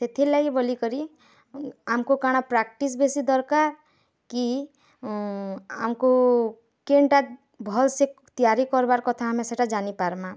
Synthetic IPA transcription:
set̪ʰilaibəlikəɾi | amkokaɽ̃apɾak̚ʈis̬besid̪ɔɾkaɾ | ki | a̰mko | keɳʈa | bʱɔlse | t̪ijaɾikɔɾbaɾkɔt̪ʰaɦameseʈad͡ʒanipaɾma

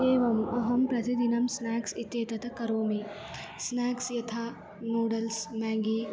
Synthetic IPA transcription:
eːʋɐmɐɦɐmpɾɐt̪id̪inɐmsnɛːksɪt̪jet̪ɐt̪ɐkɐɾoːmẽ | snɛːksjɐt̪ʰaː | moːɖɐlsmɛ̃ːŋɡi

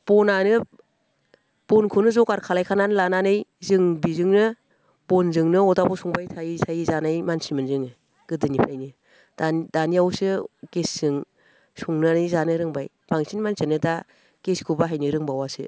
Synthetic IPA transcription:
b̥ɔnanɯ | b̥ɔnkʰunɯzɔkaɾkʰalajkʰananɯlananɯjzɯŋbizɯŋnɯ | b̥ɔnzɯŋnɯɔdabɔsuŋbajtʰajitʰajizanajmansimɯnzɯŋɯ | ɡ̥ɯdɯnipʰɾajnɯ | dad̥aniawsɯɡ̥esz̥ɯŋ | suŋnɯanɯjzanɯɾɯŋbaj | b̥aŋsinmansʰenɯda | ɡ̥eskʰubaɦajnɯɾɯŋbawasɯ̰

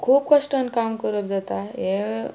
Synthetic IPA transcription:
kʰuːp̚kəʂʈənkaːmkəɾəp̚d͡zat̪aje

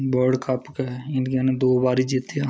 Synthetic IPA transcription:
boːɾɖkʰapkeɪnɡened̪oːbaːɾid͡ʒiːt̪ija

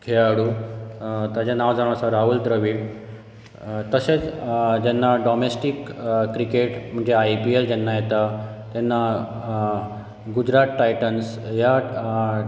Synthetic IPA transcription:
kʰeaɽu | t̪ad͡ʑanaʋd͡zaɽ̃ãsaɾaɦult̪ɾəʋiːɽ | t̪əset͡sd͡ʑɛnːaɖɔmesʈikkɾikeʈm̤əɳd͡zeajpield͡ʑɛnːajet̪at̪ɛnːa | ɡud͡ʑɾat̪ʈajʈənsja

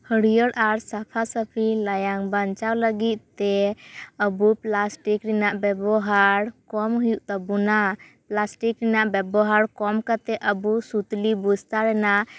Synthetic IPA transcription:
həɽijəɽʔaɾsapʰasəpʰilajaŋbaɲt͡ʃawləɡit̪̚t̪ɛəbuplasʈikɾinaʔbɛbɔɦaɾkɔmɦujuʔt̪abunaplasʈikɾinaʔbɛbɔɦaɾkɔmkat̪ɛʔəbusut̪libud͡ʒʱt̪aɾɛnaʔ

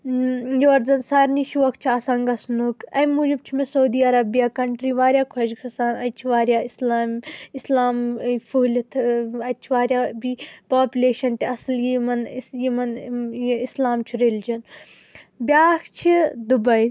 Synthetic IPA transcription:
joɐɾzɐnsaːɾniʃuʋɐk̚t͡ʃʰiasaŋɡɐsnukɐmuːd͡ʒib̚t͡ʃʰimesɐud̪iːɐɾɐbijaːkɐɳʈɾiːʋaːɾʲjaːkʰɐd͡ʒkʰɐsaːnɐt͡ʃʰiʋaːɾjaːislaːmislaːmfʰulʲt̪ʰɐt͡ʃʰiʋaːɾjaːbipaːpʲuleːʃɐnt̪eɐsljimɐnjimɐnjislaːmt͡ʃʰuɾeld͡ʒɐn | bʲaːxt͡ʃʰid̪ubɐj

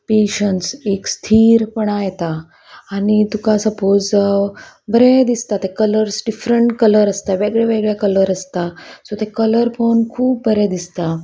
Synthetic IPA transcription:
peɕəɳsekst̪ʰiːɾpəɳajt̪aː | nit̪ukasəpod͡z | bʱəɾɛd̪ist̪at̪ekələɾsɖifɾəɳʈkələɾəst̪aʋeɡɭjaʋeɡɭjakələɾəst̪asot̪ekələɾpʰownkʰuːbbʱəɾɛd̪ist̪a

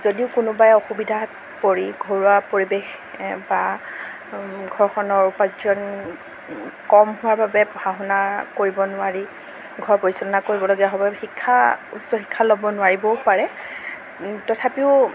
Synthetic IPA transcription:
zodiʊkʊnʊbajɔxubidʱa | koɹiɡʱoɹuapoɹibex | ba | ɡʱɔɹɔkʰɔnɔɹupazɔn | kɔmɦʊaɹbʱabɛbʱaɦɔnakoɹibɔnʊwaɹi | ɡʱɔɹpoɹisɔnɔnakoɹibɔloɡijaɦɔbaxikʰːaṵsɔɦi̥kʰːalɔbɔnʊwaɹibɔaɹɛ | tɔtʰapiʊ

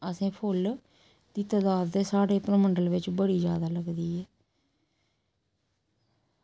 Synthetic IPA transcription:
əsẽːpʰʊl | d̪iːt̪aːd̪aːd̪t̪eːsaːɽeːpɾəməɳɖəlʋɪt͡ʃbəɽiːd͡ʒjaːd̪aːləɡd̪iːɛː

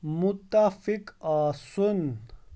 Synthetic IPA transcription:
mut̪ːafikaːsun

